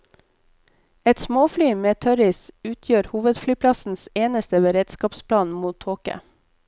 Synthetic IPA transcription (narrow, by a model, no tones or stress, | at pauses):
ɛt̪smoːflyːmeːt̪ʰœɾɪsʉːt̪ʰjøːɾhuːʋəd̪flyːpʰlɑsn̩seːnəst̪əʋeːɾɛd̪skɑːpspʰlɑːnmuːt̪ʰoːkə̰